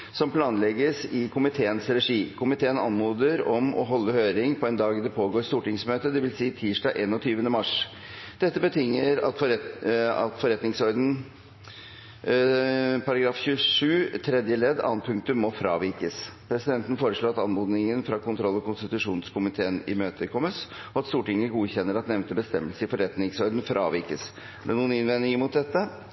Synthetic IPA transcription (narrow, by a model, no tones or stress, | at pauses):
sɔmpʰlɑːnlɛɡəsɪkʰʊmɪt̪ʰeːənsɾɛʂiːkʰʊmɪt̪ʰeːənɑnmoːd̪əɾɔmɔ̰ɦɔlːəhøːɾɪŋpʰɔɛnd̪ɑːɡd̪ɛpʰoːɡoːɾst̪uːʈɪŋsmøːt̪əd̪ɛʋɪlsiːt̪ʰiːʂɖɑːɡʔeːnɔt̪ʰyːʋənəmɑʂ | d̪̥ɛt̪ːəbət̪ʰʏŋːəɾɑt̪f | ɑ̰t̪fɔɾɛt̪nɪŋsɔɾd̪n̩ | pʰɑɾɑɡɾɑːfçʉəʂʉːt̪ʰɾɛd̪jəlɛd̪ɑ̰ːən̚pʰʉŋk̚t̪ʉmːɔfɾɑ̰ːʋɪɾkəspʰɾɛsɪd̪ɛnt̪ən̩foːɾəʂɭoːɑt̪ɑnɔɾd̪nɪŋənfɾɑkʊnt̪ʰɾɔlːɔkʊnst̪ɪt̪ʉʂuːnskʊmɪt̪ʰeːənɪ̰møːt̪əkʰɔmːəs | ɔɑt̪st̪uːʈɪŋəɡuːçɛnːəɾɑt̪nɛʋnt̪əbəst̪ɛmːəlsəɪfɔɾɛt̪nɪŋsɔɾd̪n̩fɾʔɑ̰ːʋɪɾkəs | æɖɛnuːənɪnʋɛnːɪŋəmʊt̪̚d̪ɛt̪ːə